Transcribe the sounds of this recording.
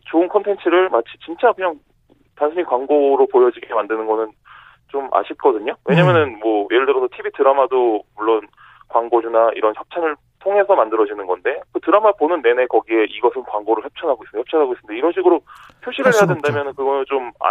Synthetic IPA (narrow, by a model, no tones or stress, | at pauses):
t͡ɕoɯnkʰʌntʰe̞nt͡ɕʰɯɾɯɭmat͡ɕʰi̥t͡ɕint͡ɕ͈akɯɲaŋ | tansʰɯɲikwaŋɡoɾopojʌd͡ʑiɡemandɯnɯnɡʌnɯn | t͡ɕoma̰ɕʰit̚k͈ʌdɯɲowʔe̞ɲamjʌnɯnmwʌjeɾɯɭdɯɾʌsʰʌtʰibitɯɾamadomuɭːon | kwaŋɡod͡ʑunaḭɾʌnçjʌp̚t͡ɕʰanɯɭ | tʰoŋe̞sʰʌmandɯɾʌd͡ʑinɯnɡʌnde̞kɯtɯɾamaponɯnːe̞ne̞kʌɡie̞ʔiɡʌsʰɯnkwaŋɡoɾɯɭçjʌp̚t͡ɕʰʌnɦaɡois͈ɯnjʌpt͡ɕʰanɦaɡois͈ɯnde̞iɾʌnɕʰiɡɯɾopʰjoɕʰiɾɯɭɦhe̞jadwendamjʌnɯnkɯɡʌnot͡ɕoma̰